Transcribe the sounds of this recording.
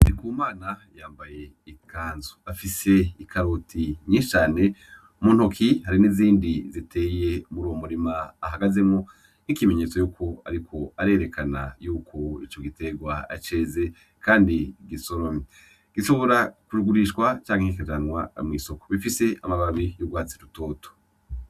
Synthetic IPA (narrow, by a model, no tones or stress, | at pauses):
ikuːmaːnajaːmbaje̞ | ikʰaːnzo̥afise̞ikʰaɾutʰiɲiʃt͡ʃaːne̞ | muːn̥hokʰihaɾiniziːndizitʰe̞ːje̞muɾuwomuɾimaːɦaɡaze̞mŋo | nikime̞ɲe̞t͡so̞juːkʰo̞a̰ɾikʰo̞aɾe̞ːɾe̞kʰanajuːkʰo̞it͡ʃo̞ɡite̞ɡwaa̰t͡ʃe̞ːze̞ | kaːndiɡiso̞ɾomi | ɡ̥iʃo̞βo̞ɾakuɾuɡuɾiʃkwat͡ʃaːŋihikad͡ʒanwa̰mŋiːso̞ko̥βifise̞amaβaβijubɡwaːt͡siɾutoːto̥